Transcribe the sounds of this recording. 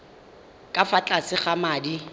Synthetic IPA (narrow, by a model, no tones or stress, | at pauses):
kʼafat͡ɬʼasɪχamaːdi